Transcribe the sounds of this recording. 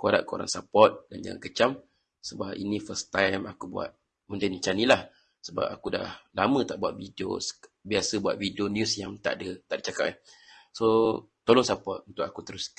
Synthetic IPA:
kuada̰ʔkəo̰ɾa̰ŋsapɔt̪̚dand͡ʒa̰ŋa̰nkət͡ʃam | səbapḭnĩfəst̪ajmakubua̰t̪̚ | mundənt͡ʃanilah | səba̰pa̰kuda̰hlamə̃t̪aʔbuat̪̚vidio̰sbiasəbua̰t̪̚vidionjusjaŋt̪a̰ʔdət̪aʔdət͡ʃakap̚so | t̪olɔŋsapɔt̪̚unt̪ʊkakut̪əɾʊs

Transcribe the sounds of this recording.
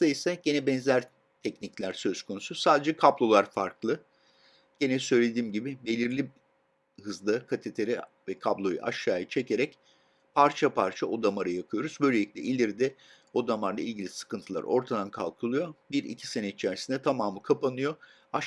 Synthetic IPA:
aisɛɟe̞nɛbɛnzlʲæɾ | t̪ʰɛcniclʲæɾsø̞zkʰo̞nususaːd̪e̞d͡ʒɛkʰablˠo̞lˠaɾfaɾklˠɯ | ɟ̥enɛsø̞jlʲe̞d̪iːmɟibɪbe̞lʲiɾlʲi | hɯzlˠɯkʰat̪ʰet̪ʰeɾi | vɛkʰablˠo̞j̰ʔa̰ʃaːjɯt͡ʃʰe̞cʰe̞ɾɛc | pʰaɾt͡ʃʰapʰaɾt͡ʃʰao̞d̪amaɾɯjapʰɯjo̞ɾuzbøjlʲe̞lʲiclʲɛʔilʲiɾd̪ɛ | o̞d̪amaɾˠailʲɟilʲisɯ̥kɯnt̪ʰɯlˠa̰ɾo̞ɾt̪ʰad̪ankʰalˠkʰɯlˠujo̞biɾḭcʰi̥se̞nɛit͡ʃʰæɾsind̪ɛt̪ʰamaːmɯkʰapanɯjo̞ | a

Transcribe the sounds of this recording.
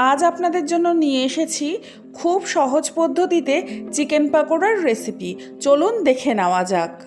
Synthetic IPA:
ad͡ʑapnad̪eɾd͡ʑonːonieeʃet͡ɕʰi | kʰubʃɔɦod͡ʑpod̪ʱːot̪it̪et͡ɕikenpakoɾaɾːesipi | t͡ɕolund̪ekʰenaoad͡ʑak

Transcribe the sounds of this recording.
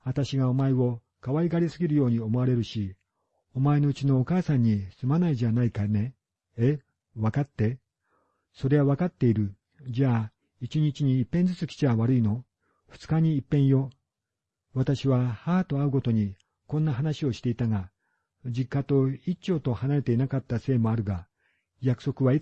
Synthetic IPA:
βat̪aɕiɡao̞maio̞ | kaβaiɡaɾʲisɨɡʲiɾɯ̟jo̞ːɲ̟io̞mo̞aɾe̞ɾɯ̟ɕi | omae̞no̞ɯ̟t͡ɕino̞ːkaːsãɲ̟ːisɨmanaid͡ʑanaikane̞ | e | βakat̪ːe̞ | so̞ɾe̞βaβakat̪ːe̞iɾɯ̟ | d͡ʑaː | it͡ɕiɲ̟it͡ɕiɲ̟iːpːend͡zɨt͡sɨkʲi̥t͡ɕiaβaɾɯ̟ino̞ | ɸɯ̟̥t͡sɨ̥kaɲ̟iːpːẽ̞ɰ̃jo̞ | βat̪aɕiβahaːt̪o̞aɯ̟ko̞t̪o̞ɲ̟i | kõ̞nːaɦanaɕio̞ɕi̥t̪e̞it̪aɡa | d͡ʑikːat̪o̞it͡ɕːo̞ːt̪o̞hanaɾe̞t̪e̞inakat̪ːase̞ːmo̞aɾɯ̟ɡa | jakɯ̟̥so̞kɯ̟βai

